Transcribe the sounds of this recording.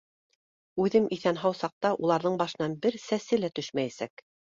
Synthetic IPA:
ʉðɘmiθænɦɑwsɑq̚t̪ɑʔulˠɑɾðɤɴbɑʃɤ̆nɑnbɘɾsæsɘlæt̪ɵʃmæjæsæk

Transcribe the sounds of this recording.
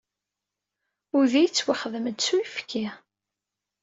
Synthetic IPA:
ʊðijət͡sːwaχəðməd̪suifki

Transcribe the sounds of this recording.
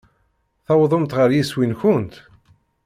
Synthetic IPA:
θɑwðˤomt̪ʁəɾjiswinçʊnt̪

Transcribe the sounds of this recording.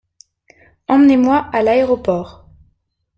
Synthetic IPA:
ɑ̃mnemwaʔalaeʁɔpɔːʁ

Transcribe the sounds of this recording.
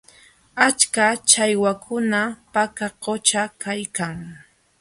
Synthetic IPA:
at͡ʃkat͡ʃajwakʰʊnapakaqot͡ʃakajkaŋ

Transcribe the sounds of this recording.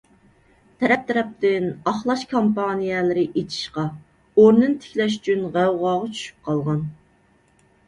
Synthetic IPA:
t̪ʰɛɾɛp̚t̪ʰɛɾɛp̚t̪ɪnɑχlˠɑʃkʰompɑnijɛlɪɾɪʔet͡ʃʰi̥ʃqɑ | oɾnɨnt̪ʰɪ̥kʲlɛʃy̥t͡ʃʰynʁæwʁɑːʁɑt͡ʃʰy̥ʃy̥p̚qʰɑlˠʁɑn

